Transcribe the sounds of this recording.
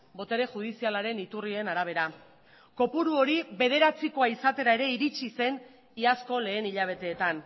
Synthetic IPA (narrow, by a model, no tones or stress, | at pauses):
bo̞t̪e̞ɾe̞ʝuð̞isialaɾe̞nit̪urie̞naɾaβ̞e̞ɾa | ko̞puɾuo̞ɾiβe̞ð̞e̞ɾat͡siko̞aisat̪e̞ɾae̞ɾe̞iɾit͡ʃise̞n | iasko̞le̞ːniʎaβ̞e̞t̪e̞ːt̪an